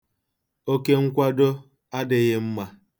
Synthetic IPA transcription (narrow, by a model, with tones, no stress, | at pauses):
o˦ke˦ŋ̩˦kʷa˦do˦ | a˦dɪ˨ɣɪ˦m̩˦ma˦